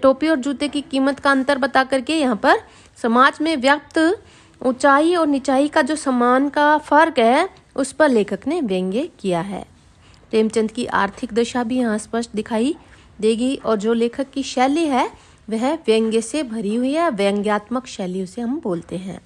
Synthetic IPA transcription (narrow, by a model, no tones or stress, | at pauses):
ʈoːpiɔːɾd͡ʒuːt̪ekikiːmət̪kaɐ̃nt̪əɾbɐt̪akɐɾkejɐɦãpɐɾ | sɐmaːd͡ʒmẽʋjəp̚t̪ | ʊt͡ʃaːiɔːɾnɪt͡ʃaːikad͡ʒoːsɐmaːnkafɐɾkɦɛ | ʊspɐɾleːkʰəkneʋjɛ̃ŋɡekijaɦɛ̰ː | pɾeːmt͡ʃə̃nt̪kiʔa̰ːɾt̪ʰɪkd̪eʃabʱijɐɦãspəʃʈd̪ɪkʰaːi | d̪eːɡiɔːɾd͡ʒoːleːkʰəkːiʃɛːliɦɛ | ʋɛɦʋjɛ̃ŋɡesebʱɐɾiɦʊiɦɛʋəə̃ŋɡjaːt̪məkʃɛːlijoʊ̃seɦɐmboːlt̪eɦɛ̰̃ː